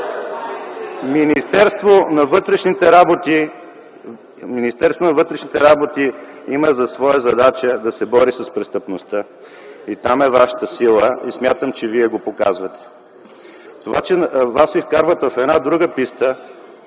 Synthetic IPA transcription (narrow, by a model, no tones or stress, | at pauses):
minist̪ɛɾst̪vonɐvət̪ɾɛʃnit̪ɛɾbot̪i | minist̪ɛɾst̪vonɐvɤt̪ɾɛʃnit̪ɛɾabot̪i | iməzɐsvɔjəzɐd̪at͡ʃəd̪ɐsɛbɔɾisɐspɾɛst̪əpnost̪ə | it̪amɛvaʃə̥t̪əsilˠəismʲjat̪əmt͡ʃɛviɛɡopoka̰zvɐt̪ɛ̥ | t̪ova̰t͡ʃɛvasvifkaɾvət̪vɐfɛd̪nad̪ɾuɡəpist̪ə